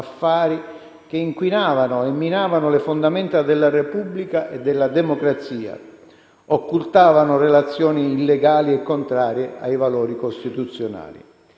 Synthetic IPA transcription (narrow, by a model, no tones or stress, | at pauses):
afːaːɾi | k̟eiŋkwinaːvanʊɛmːinaːvanʊlɪfond̪amɛnt̪ad̪elːarepublikaʔed̪ːɪlːad̪ɛmokɾat̪siːa̰ | okːult̪aːvanʊrelat̪sːjɔːniːlːɛɡaːliɛkːont̪ɾaːɾjea̰jvalɔːɾikost̪it̪ut̪sːjona̰ːlḭ